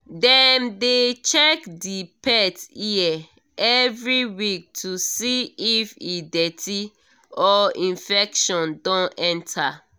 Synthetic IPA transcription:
dɛ̃mdet͡ʃɛkdipɛtiɛ | ɛvɹiwik̚tʰusiifidɛtʰi | ɔĩnfɛkʃɔ̃ndɔ̃nɛ̃ntʰa

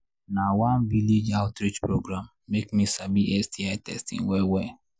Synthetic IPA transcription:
nawanviled͡ʒaltɾid͡ʒpɾoɡɾamːekmisabiʔɛstʰiaɪtɛ̰stḭ̃ŋwewe

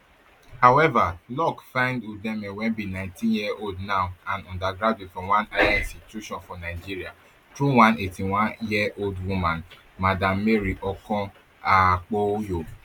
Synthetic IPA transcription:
hawɛvalɔkfãɪ̃ndudɛ̃mɛ̃wɛ̃nbinãtĩnjiɛʔoldnãwãnɔ̃ndaɡɾadwetfɔ̃wãnajaĩstitjuʃɔ̃nfɔnaɪd͡ʒiɾia | tɾuw̃ãnetiw̃ãnjiɛoldwumãn | madãmːeɾiʔɔkɔ̃ | ak͡pojo

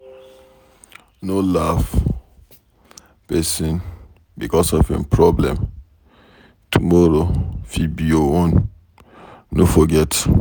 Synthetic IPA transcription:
nolaf | pɛsĩn | bikɔsɔfḛ̃npʰɹɔblɛ̰̃m | tʰumɔɾofibioɔ̃n | nofɔɡɛt

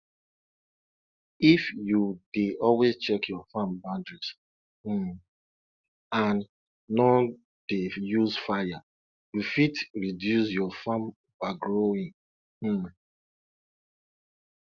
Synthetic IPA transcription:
ifjudeʔɔlwest͡ʃɛkʰjɔfãmbãndɹis̩ | ãnː | ɔ | d̥ejuzfaja | jufitɹidjusjɔfãm | baɡɹoĩŋ̩

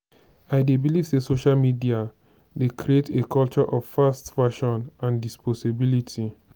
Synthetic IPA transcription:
aɪdebilivsesoʃalmidia | dekʰɾietekɔlt͡ʃɔʔɔvfastfaʃɔ̃nãndispɔsibilitʰi

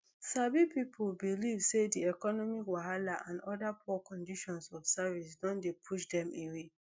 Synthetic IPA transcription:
sabipipʰolbilivsediɛkɔnɔmikwaɦalaʔãndɔdapʰɔkɔ̃ndiʃɔ̃nsɔfsavisdɔ̃ndepʰuʃdɛ̃mewe

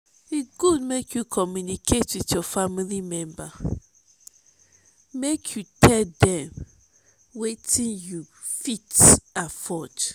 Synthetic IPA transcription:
wiɡudmekʰjukʰɔmjunikʰetwiθjɔfamilimɛ̃mba | mekʰjutʰɛdɛ̃m | wetʰĩnjufitafɔt

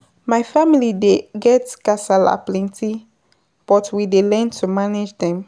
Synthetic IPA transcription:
maɪfamilideɡɛtkasala̰plɛ̃ntʰi | b̥ɔtwidelɛ̃ntʰumaned͡ʒdɛ̃m

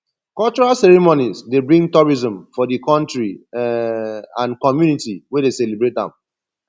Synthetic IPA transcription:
kɔlt͡ʃɔɹalsɛɹimonizdebɹĩŋɡtɔɹizɔ̃mfɔdikɔ̃ntɹi | ãnkɔmjunitiwɛdeselibɹet̚dã̰m

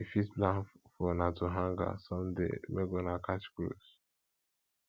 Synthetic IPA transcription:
ifisblãnffɔnatuɦãŋɡa̰sɔ̃mdḛmeɡɔnakat͡ʃkɾṵs

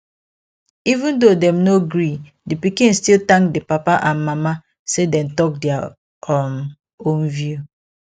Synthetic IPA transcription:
ivũndodɛ̃mnoɡɾi | dipikĩnstiltãŋkdipapaʔãnmama | sedɛ̃mtɔk̚dɛa | ɔm | õnvju

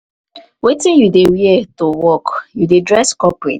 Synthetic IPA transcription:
wetĩnjudeɹiɛtowɔkjudedɹɛskɔpɹet

